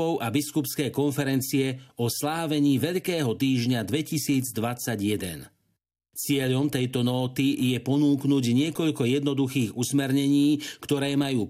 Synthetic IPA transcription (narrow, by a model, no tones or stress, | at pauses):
ɔʊʔabiskupskɛjkɔnfɛɾɛnt͡siɛɔslaːʋɛɲiːʋɛʎkɛːɦɔt̪iːʒɲad̪ʋɛcisiːd͡zd̪ʋat͡saɟjɛd̪ɛ̰n | t͡sɪɛʎɔmt̪ɛjt̪ɔnɔːt̪ijɛpɔnuːknuɟɲɪɛkɔʎkɔjɛd̪nɔd̪uxiːɣusmɛɾɲɛɲiːkt̪ɔɾɛːmajuː